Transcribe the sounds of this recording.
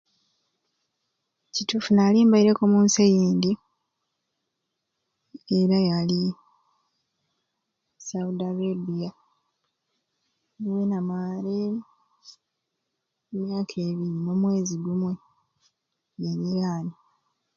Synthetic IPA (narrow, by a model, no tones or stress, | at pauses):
citufunaliːmbaiɾekomuːnsejiːndi | eɾajali | saudaβebija | wenamaɾe | mjaːkʰe̞ːβiɾinomwe̞ːziɡumwe̞ | neniɾaːni